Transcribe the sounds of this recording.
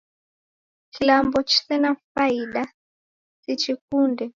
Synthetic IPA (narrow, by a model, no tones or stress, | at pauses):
kʰilambɔt͡ʃi̥sɛnafaiɗa | sit͡ʃikundɛ